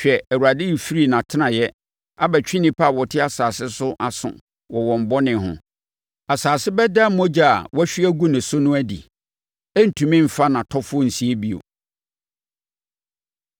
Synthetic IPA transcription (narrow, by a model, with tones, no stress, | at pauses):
ɕᶣɛ˨æ˨wu˨ɾa˨dɪ̃˦i˨fi˦ɾi˦˨nã˨tʰɪ˦nã˨jɛ˦ | a˦bɛ˨t͡ɕᶣɪ̃˦nĩ˦pʰa˦˨wɔ˨tʰɪ˦a˨saː˨sɪ˦sʊ˦ʔa˨sʊ̰̃˨ | wɔ˨wɔ̃˨m̩˨bɔ˦nɪ̃˨hʊ̰̃˨ | a˨saː˨sɪ˦bɛ˦da˦mɔ̃˦d͡ʑa˦˨a̰˨wɔ˦æ˦ɕᶣɪ˦æ˦ɡu˦nɪ̃˨sʊ˦nʊ̃˦æ˦dḭ˨ | æ˦n̩˨tʰũ˨mĩ˦m̩˨fa˦nã˨tʰɔ˦fʊ˦ɔ˦n̩˨si˨e˦bi˦o̰˨